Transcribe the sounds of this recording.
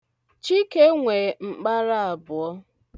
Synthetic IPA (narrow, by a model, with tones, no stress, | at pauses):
t͡ʃi˦ke˦ŋʷe˨ŋ͡m̩˨k͡pa˦ɾa˦a˨bʊ˨ɔ˦